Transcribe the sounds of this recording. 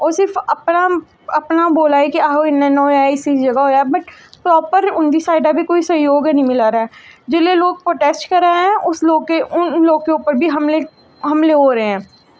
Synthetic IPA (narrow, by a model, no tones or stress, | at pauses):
ɔːɾsɪɾfɐpna | ɐpnaboːlaːekiaːɦoɪnːẽnɔːaːisisd͡ʒɐɡaɦoːjaɦɛbɐʈpɾɔːpəɾʊ̃nd̪isaːɪɖabʱikoːisɐ̃ɦjoːɡɛnɐ̃ɦĩmɪlaːɾaɦɛːd͡ʒɪleloːɡ̚pɾoːʈeːsʈkɐɾːəeɦɛ̃ʊsloːɡ̚keʊnloːɡkeʊpəɾbʱiɦɐmle | ɦɐmleɦoːɾɐɦeɦɛ̃ː